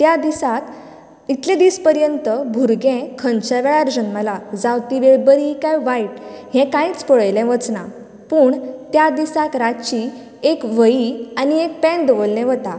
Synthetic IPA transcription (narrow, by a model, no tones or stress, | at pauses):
t̪jad̪isat̪ | it̪lɛ̃d̪iːspəɾjənt̪əbʱuɾɡɛ̃kʰənt͡ɕaʋɛɭaɾd͡ʑənməlad͡zawt̪iʋeɭbəɾikajʋaiʈɦɛ̃kãĩt͡spɔɭəjlɛ̃ʋət͡sna | puːɳt̪jad̪isak̪ɾat͡ɕi | ekʋəjianiek̚pɛ̃ɳd̪əʋolːɛ̃ʋət̪a